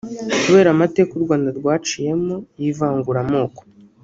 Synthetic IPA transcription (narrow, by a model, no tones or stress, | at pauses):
kuβe̞ːɾamate̞ːkuɾɡwaːndaɾɡwaːt͡ʃije̞mojivaːŋɡuɾamoːko̥